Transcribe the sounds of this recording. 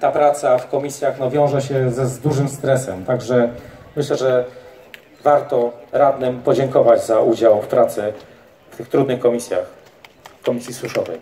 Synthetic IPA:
t̪apɾat̪safkɔmʲisʲjaxnɔvʲjɔ̃w̃ʐɛɕɛzɛzd̪uʐɘmst̪ɾɛsɛmt̪aɡʐɛmɘɕlɛʐɛ | vaɾt̪ɔɾad̪nɘmpɔd͡ʑɛŋkɔvad͡ʑzaʔud͡ʑawfpɾat̪sɛ | ft̪ɘxt̪ɾud̪nɘxkɔmʲisʲja̰x | kɔmʲisʲjisuʂɔvɛ̰j

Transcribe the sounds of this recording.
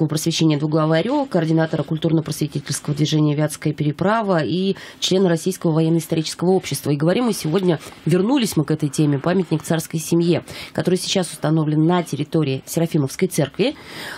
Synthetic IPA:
əvəpɾəsvʲɪɕːenʲɪəd̪vʊɣɡlˠɐvɨɐɾʲokəɐrdʲɪnat̪əɾəkʊlʲt̪urnəpɾəsvʲɪtʲitʲɪlʲskəvəd̪vʲɪʐɛnʲɪjəvʲat̪skəjəpʲɪɾʲɪpɾavəit͡ɕlʲe̞nɨɾɐsʲːijskəvəvɐjeɛnːəɪst̪ɐɾʲit͡ɕɪskəvəo̞pɕːɪ̥st̪vəiɡəvɐɾʲimːɨsʲɪvodʲnʲəvʲɪrnulʲɪsʲmɨkɛt̪əjtʲemʲɪpamʲɪt̪ʲnʲɪkt̪sarskəjsʲɪmjikɐt̪o̞ɾɨjsʲɪ̥t͡ɕasʊ̥st̪ɐno̞vlʲɪnːətʲɪɾʲɪt̪o̞ɾʲɪːsʲɪɾɐfʲiməfskəjt̪sɛrkvʲɪ

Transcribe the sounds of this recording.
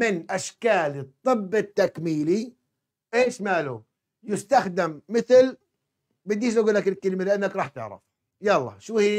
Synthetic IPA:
mɪnʔaʃkaːlit̪ˤːɨbːɪt̪ːakmiːli | ʔeːʃmaːlu | jɪst̪axd̪ɪmːɪθl | bɪd̪ːiːʃʔaɡuːlːakɪlkalmalɪʔanːakɾˤɑːħt̪ɪ̰ʕɾɪ̰f | jaːɑlˤːɑ̰ʃuːhi

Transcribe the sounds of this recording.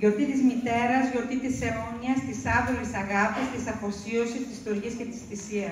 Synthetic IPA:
ʝo̞ɾt̪it̪izmit̪e̞ɾɐzʝo̞ɾt̪it̪isemoniɐst̪isɐðolisɐɣɐfɐst̪isɐpo̞sio̞sist̪ist̪oɾʝisce̞t̪i̥sθisiɐs

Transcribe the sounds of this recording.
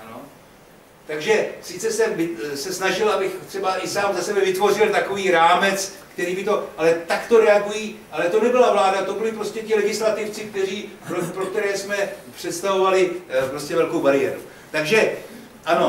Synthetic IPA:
ano | t̪aɡʒɛsɪt͡sɛsɛmvɪsɛsnaʒɪlʔabɪxt̪r̥ɛbaʔɪsaːmzasɛbɛvɪt̪vo̞r̝ɪlt̪ako̞viːɾaːmɛt͡skt̪ɛɾiːbɪt̪o̞ʔalɛt̪akt̪o̞ɾɛaɡujiːʔalɛt̪o̞nɛbɪlavlaːdat̪o̞bɪlɪpɾo̞scɛcɪlɛɡɪslat̪ɪft͡sɪk̚t̪ɛriːopɾokt̪ɛɾɛːsmɛpr̝̥ɛt̪st̪avo̞valɪpɾo̞scɛvɛlkowbaɾɪɛ̰ɾṵ | t̪aɡʒɛ | ʔano̞

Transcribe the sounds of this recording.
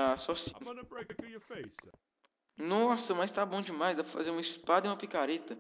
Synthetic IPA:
asɔsĩ | nõsɐmɐjst̪abõd͡ʒɪmajzd̪apɾɐfa̰zeɾũmɐispad̪ɐiũmɐpikaɾet̪ɐ

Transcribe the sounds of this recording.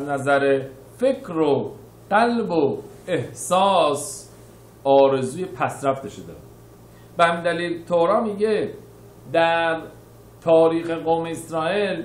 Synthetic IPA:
æznæzæɾe | fecʰɾo | ɢ̥ælbo | e̞hsɒːs | ɒːɾe̞zuːje̞pʰæsɾæft̪eʃod̪ḛ | b̥ehæmiːnd̪æliːlt̪ʰoɾɒːmiːɟe | d̪æɾ | t̪ʰɒːɾiːxe̞ɣoːmeːsɾɒːʔil

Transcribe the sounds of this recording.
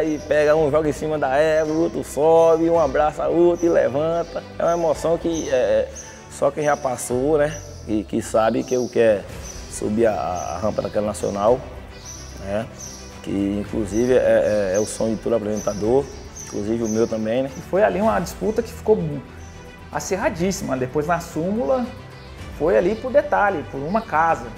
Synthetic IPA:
ɪpɛɡɐũʒɔɡẽsĩmɐd̪aɛvot̪ɾʊsɔbɪũabɾasʊaot̪ɐɪlɛ̰vɐ̃t̪ɐɛ̰ũmɐemosɐ̃w̃kɪɛɛ | sɔkẽj̃ʒapasonɛ | kɪkɪsabɪkɪewkɛsṵbiaa̰a̰ɦɐ̃pɐd̪akɛlɐnasio̰naw | nɛ | kɪ̰ĩkluzivɪɛɛɛʊsõɲʊd͡ʒɪt̪od̪ʊapɾezẽt̪ad̪oɾ | ĩkluzivɪʊmewt̪ɐ̃mbẽj̃nɛɪfojaliũmɐd͡ʒisput̪ɐkɪ̥fi̥kobũ | a̰seɦad͡ʒisimɐd̪epojznasũmulɐ | fojalipʊɾd̪et̪alɪpʊɾũmɐkazɐ

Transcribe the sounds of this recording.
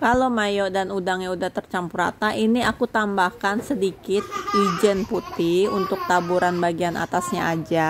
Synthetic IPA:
kalomajɔʔdanudaŋɲaudaht̪ərt͡ʃampuɾa̰t̪aʔiniakut̪ambahkansədikɪt̪̚id͡ʒɛnput̪iunt̪ʊk̚t̪abuɾanbaɡianʔa̰t̪asɲaad͡ʒa

